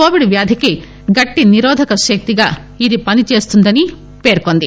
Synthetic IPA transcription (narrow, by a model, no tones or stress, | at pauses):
koːʋiɽʋjaːd̪ʱiki | ɡɐʈːiniɾɔːd̪ʱɐkɐʃɐk̚t̪iɡaː | id̪ipɐnit͡ʃe̞ːst̪und̪ɐni | pe̞ːɾkond̪i